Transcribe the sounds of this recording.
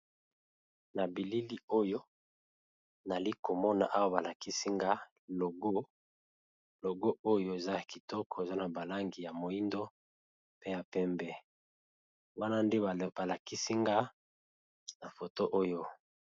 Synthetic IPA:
na˨bi˨li˦li˦o˦jo˦ | na˨li˦ko˨mɔ˦na̰˨ʔa˦wa˦ba˨la˨ki˦si˦ŋɡa˦ | lo˨ɡo˦ | lo˨ɡo˦o˦jo˦e˨za˦ja˨ki˨tɔ˦kɔ˨e˨za˦na˨ba˨la˦ŋɡi˨ja˨mo˨i˦ndo˦ | pe˦ja˨pɛ˦mbɛ˦ | wa˦na˦nde˦˨ba˨la˨ki˦si˦ŋɡa˦ | na˨fo˨to˦ʔo˦jo˦

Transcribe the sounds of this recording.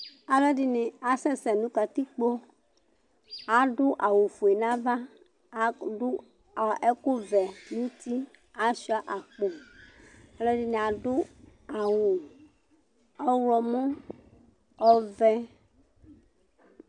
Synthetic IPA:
a˨lɔ˦dɪ˦nɪ̃˨a˨sɛ˦sɛ˨nũ˦ka˨t̪i˦k͡po˦ | a˨˦ɖʊ˦ʔa˨wu˨fu˨e˨nã˦va˦˨˦ | ʊ˦˨ | ɛ˦ko˦vɛ˨nũ˦t̪i˦ | a˨ʃi˦a˦ʔa˨k͡po˨ | a˨lɔ˦di˦nɪ̃˨a˨ɖʊ˦ | a˨wu˨ | ɔ˦wlɔ˨mɔ̃˦ | ɔ˨vɛ˦

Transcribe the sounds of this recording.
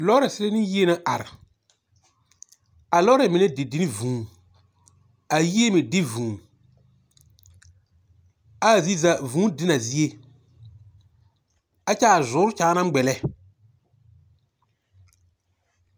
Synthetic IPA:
lɔː˦ɾɛ˨sɪ˦le˦nɪ˦ji˦e˦na˦ʔa˨ɾɪ˨ | a˨lɔ˦ɾɛ˨mɪ˨nɛ˦dɪ˨dɪ˦nɪ˦vũː˨˦n | a˨ji˦e˦mɪ˨dɪ˦vũː˨n | aː˦˨zi˦za˨vũː˨˦dɪ˦na˨zi˦e˦ | a˦t͡ʃɛ˦a˨zʊː˨˦ɾʊ˦t͡ʃaː˨˦na˦m˦ɡ͡bɛ˨lɛ˦

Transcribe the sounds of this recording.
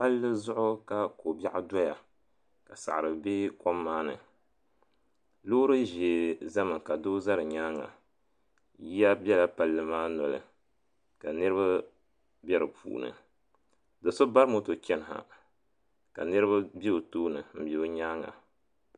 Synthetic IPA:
pa˦lːɨ˦zʊ˦ʔʊ˦ka˦ko˨bʲa˦ʔʊ˦dɔ˦ja˨ | ka˨sa̰˨ʔɾɨ˨be˦kɔ˦mːaː˦nɨ̰˨ | loː˦ɾɨ˦ʒe˨za˦mɨ˨ka˨do˦za˦ɾɨ˨ɲaː˦ŋa̰˨ | ji˦a˦bʲɛ˦la˨pa˨lːɨ˦maː˦nɔ˨lɨ̰˨ | ka˨nɨ˦ɾɨ˦βa˦ | bjɛ˦ɾɨ˨pʰṵː˨nɨ̰˨ | dɨ˨so˦ba˦ɾɨ˦mo˦to˨kɛ˦nɨ˨ɦa̰˨ | ka̰˨nɨ˦ɾɨ˦βa˦bi˦o˨toː˦nɨ˨m̩˨be˨o˦ɲaː˦ŋa̰˨

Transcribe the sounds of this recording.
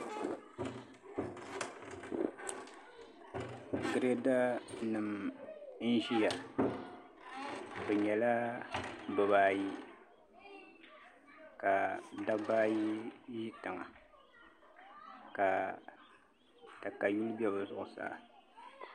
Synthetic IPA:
ɡɨ˨ɾe˦da˦nɨ˨m | n̩˦ʒi˦ja˨ | bɨ˨ɲɛ˨la˦ | bɨ˨baː˦ji˦ | ka˨da˦baː˦ji˦ʒi˦tɨ˨ŋa̰˨ | ka˨ | ta˨ka˨ju˦lbjɛ˦bɨ˨zʊ˨ʔʊ˨sa̰ː˦˨

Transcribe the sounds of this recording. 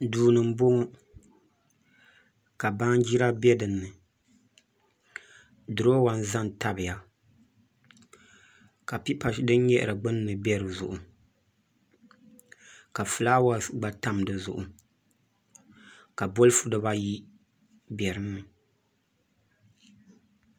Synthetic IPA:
duː˨nɨ˨m̩˦bo˦ŋ˦ | ka˨ba˦ŋ˦d͡ʒi˦ɾa˦bɛ˦dɨ˨nːɨ˨ | dɨ˨ɾo˦wa˨n˦za˦n˨ta˦bɨ˨ja˨ | ka˨pi˦pa˨ʃdɨ˦n˦ɲɛ˦ʔɨ̰˨ɾɨ˨ɡ͡bɨ˦n˦nɨ˨bɛ˦ɾɨ˨zʊ̰˨ʔʊ˨ | ka˨fɨ˨laː˦wa˨ɡ͡ba˨˦ta˦m˨dɨ˨zʊ̰˨ʔʊ˨ | ka˨bo˦lɨ˦fu˦dɨ˦ba˦ji˦ | bjɛ˨ɾɨ˦nːɨ˨

